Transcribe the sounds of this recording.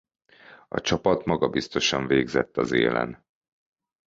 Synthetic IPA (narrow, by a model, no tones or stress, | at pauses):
ɒ̰t͡ʃɒpɒt̪mɒɡɒbist̪o̞ʃɒɱveːɡzɛt̪ːɒzeːlɛ̰n